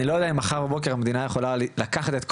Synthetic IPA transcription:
ilojodeaimaχaʁbabo̞k̬eʁamed̪inajeχo̞lallakaχat̪e̞t̪k

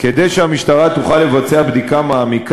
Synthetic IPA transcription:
ked̪ejʃeamiʃt̪aʁat̪uχalːe̞vat͡seabd̪ikamaːmik

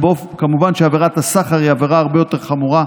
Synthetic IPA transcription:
bof | kamuvanʃeaveʁat̪hasaχaʁiaveʁaaʁbejo̞t̪e̞ʁχamuʁa

